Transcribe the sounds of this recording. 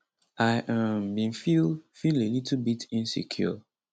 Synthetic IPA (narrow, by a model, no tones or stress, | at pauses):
ʔaɪʔambĩnfilfilelitlbitʰĩnsḭkʰjṵ